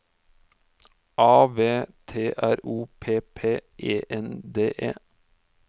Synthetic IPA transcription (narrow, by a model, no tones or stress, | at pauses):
ʔɑːʋeːt̪ʰeːʔæɾuːpʰeːpʰeːʔeːʔɛnd̪eːʔḛː